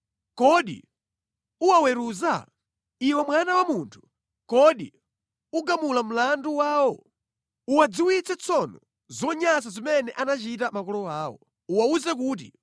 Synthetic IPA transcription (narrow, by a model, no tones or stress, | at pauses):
kɔɗḭ | uwawɛɾuza | iwɛmwanawamuntʰu̥ | kɔɗḭ | uɡamulam̩landuwaːwɔ | uwad͡ziwit͡sɛt͡sʰɔnɔ | zɔɲasazimɛnɛʔanat͡ʃitamakɔlɔaːwɔ̰ | uwauzɛk̬uːt̬ḭ